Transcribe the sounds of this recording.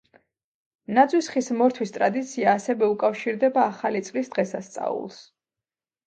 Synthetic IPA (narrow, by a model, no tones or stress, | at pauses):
nad̪zʼwisχismɔɾt̪ʰwist̪ʼɾad̪it̪sʰiaːsɛvɛukʼafʃiɾd̪ɛbaːχalit̪sʼlisd̪̥ʁɛsast̪sʼa̰ṵlˠs